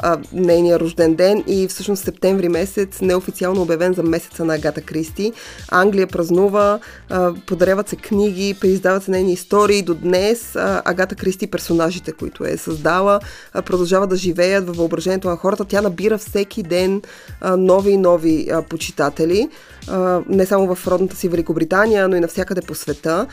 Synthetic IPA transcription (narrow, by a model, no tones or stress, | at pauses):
nɛjnijəɾoʒd̪ɛnd̪ɛnifsɤʃnost̪sɛp̚t̪ɛɱvɾimɛsɛt̪snɛofit̪ialˠnoːbjɐvɛnzɐmɛsɛ̥t̪sənɐːɡat̪əkɾist̪iaŋɡlijəpɾɐznuvə | pod̪ɐɾavət̪sɛkniɡ̟ipɾɛizd̪avɐt̪sɛnɛjniːst̪ɔɾiːd̪od̪nɛsɐ̰ɡat̪əkɾist̪ipɛɾsonaʒit̪ɛkoḭt̪ʊ̰ɛ̰sɐzd̪alˠə | pɾod̪ɐlˠʒavəd̪d̪ɐʒivɛjət̪vɐfvɐobɾɐʒɛniɛt̪onɐxɔɾət̪ət̪ʲjanɐbiɾəfsɛkʰid̪ɛnː | ɔvinɔvipot͡ʃi̥t̪at̪ɛli | nɛsamovɐfɾɔd̪nət̪ə̥sivɛlikobɾit̪anijənoinɐfsʲjakəd̪ɛposvɛt̪ə